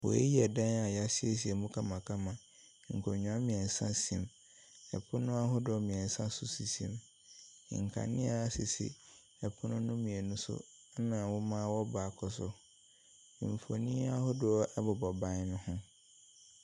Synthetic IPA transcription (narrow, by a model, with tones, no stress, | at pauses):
wɔ̰˨ḛ˦ji˦ɛ˨dã˦a˨ja˦sɪ˦e˦s̬i˨ɛ˨mũ˦kʰa˦mã˨kʰa˦mã˨ | ŋ̩˨kʰɔ˨ɲᶣ˨ã˨˦mĩ˨ɛ̃˨n˨sã˦sĩ˨m | ɛ˨pʰʊ˦nʊ̃˦a˦ɦʊ˦dʊ˨ɔ˦mĩ˨ɛ̃˨n̩˨sã˦sʊ˨si˨sḭ̃˦m˨ | ŋ̩˨kʰa̰˨nɪ̰̃˦a˦a˦sɪ˨sɪ̰˨ | ɛ˨pʰʊ˦nʊ̃˦nʊ̃˦mĩ˨e˨nʊ̃˦sʊ̰˦ | nã˨wʊ˦mã˦wɔ˦baː˨kʰɔ˨sʊ˦˨ | ɱ˨fo̰˨nĩ˦a˦hʊ˦dʊ˨˦ɛ˦bʊ˨bɔ˨bã˦nʊ̃˦hʊ̃˦